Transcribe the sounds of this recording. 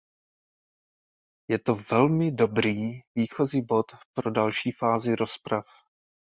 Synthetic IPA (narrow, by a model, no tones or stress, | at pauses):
jɛt̪o̞vɛlmɪdo̞bɾiːviːxo̞ziːbo̞t̪pɾo̞dalʃiːfaːzɪɾo̞spɾaf